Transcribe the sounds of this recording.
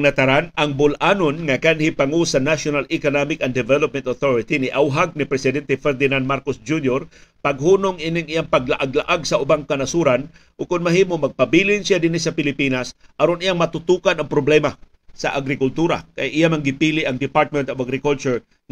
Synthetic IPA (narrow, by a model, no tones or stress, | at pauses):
nɐt̪ɐɾanɐŋbʊlʔaːnonŋɐkanhipaŋosɐnaʃonalɪkonamɪkɐnd̪ɛvɛlop̚mɛnt̪oθoɹɪt̪inɪʔawɦaɡ̚nɪpɾɛsɪd̪ɛnt̪ɛfɛɾd̪ɪnand̪maɾkosd͡ʒunjoɾpɐɡ̚ɦuːnoŋinɪŋɪjaŋpɐɡlaʔaɡlaʔaɡsɐʔʊbaŋkɐnasuːɾan | ʔʊkʊnmɐhiːmomɐɡ̚pɐbiːlɪnsɪjad̪ɪnisɐpɪlɪpiːnasʔɐɾonɪjaŋmɐt̪ʊt̪uːkanɐŋpɾoblɛma | sɐ̰ʔaɡɾɪkʊlt̪uːɾa̰kajʔɪjamaŋɡɪpiːlɪʔɐŋd̪ɪpaɹt̪̚mɛnt̪ovaɡɾɪkʊlt͡ʃʊɹ